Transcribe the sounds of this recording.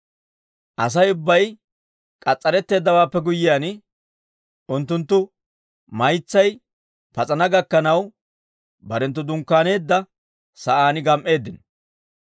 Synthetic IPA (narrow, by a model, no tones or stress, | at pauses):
ʔɐs̬ɐjʊbːɐj | kʼɐt͡sʼːɐɾɛt̪ːe̞ːd̪ːɐwaːpːɛɡʊjːɪjaːn | ʔʊnt̪ːʊnt̪ːʊ | mɐjt͡sːɐj | pɐt͡sʼɐnɐɡɐkːɐnɐw | bɐɾɛnt̪̬ːʊd̪ʊŋkːaːne̞ːd̪ːɐ | sɐʔaːnɪɡɐmʔe̞ːd̪ːɪn